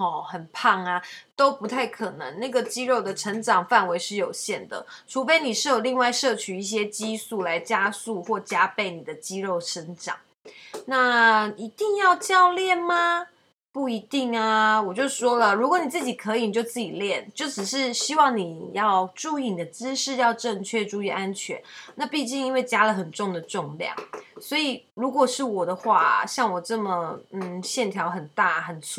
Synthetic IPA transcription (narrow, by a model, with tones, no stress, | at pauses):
ɔ˨˩xə˨˩npʰɑ˥˩ŋa˩t̪o˥ʊpu˧˥t̪ʰa˥˩ɪkʰɤ˨˩nə̰˧˦ŋna˥˩ɡə˩t͡ɕi˥ɻo˥˩ʊd̪ə˩ʈ͡ʂʰə˧˥ŋʈ͡ʂɑ˨˩ŋfa˥˩nwe˧˥ɪʂɻ̩˥˩jo˨˩ʊɕjɛ˥˩nd̪ə̰˩ʈ͡ʂʰu˧˥fe˧˥ɪni˨˩ʂɻ̩˥˩jo˨˩ʊli˥˧ŋwa˥˧ɪʂɤ˥˩t͡ɕʰy˨˧i˥˩ɕ̬jɛ˥t͡ɕi˥su˥˩la˧˥ɪt͡ɕja˥su˥˧xwɔ˥˩t͡ɕja˥pe˥˩ɪni˨˩d̪ə˦t͡ɕi˥ɻo˥˩ʊʈ͡ʂʰə˧˥nʈ͡ʂɑ̰˨˩˦ŋ | na˥˧i˧˥t̪i˥˧ŋjɑ˥˧ʊt͡ɕjɑ˥˧ʊljɛ˥˨˩nma˧ | pu˥˩i˧˥t̪i˥˩ŋa˩wɔ˨˩t͡ɕjo˥˧ʊʂwɔ˥lə˨ɻu˧˥kwɔ˧˦ni˨˩t͡sɹ̩˥˩t͡ɕi˨˩kʰɤ˧˦˥i˧ni˨˩t͡ɕjo˥˧ʊt͡sɹ̩˥˩t͡ɕi˨˩ljɛ˥˩nt͡ɕjo˥˩ʊʂɻ̩˨˩ʂɻ̩˥˩ɕi˥wɑ˥˩ŋni˨˩jɑ˥˧ʊʈ͡ʂu˥˧i˥˩ni˨˩d̪ə˩t͡sɹ̩˥ʂɻ̩˥˧jɑ˥˧ʊʈ͡ʂɤ˥˧ŋt͡ɕʰɥɛ˥˧ʈ͡ʂu˧˥y˥˩ʔa˦˥nt͡ɕʰɥɛ̰˧˦nna˥˧pi˥˧t͡ɕi˥˧ŋi˥nwe˥˩ɪt͡ɕja˥lə˨˩xə˨˩nʈ͡ʂʊ˥˩ŋd̪ə˩ʈ͡ʂʊ˥˧ŋljɑ̰˥˩ŋswɔ˧˥i˨˩ɻu˧˥kwɔ˨˩ʂɻ̩˥˩wɔ˨˩d̪ə˦xwa˥˩ɕjɑ˥˩ŋwɔ˨˩ʈ͡ʂɤ˥˩mə˩n̩˨˩ɕjɛ˥˩nt̪ʰjɑ˧˥ʊxə˨˩nt̪a˥˩xə˨˩nt͡sʰ